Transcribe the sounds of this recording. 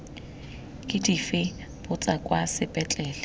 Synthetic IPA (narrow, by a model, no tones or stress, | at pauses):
kʼɪdifɪ | b̥ʊt͡sʼakʼwasɪbʼɛt͡ɬʼɛːlɛ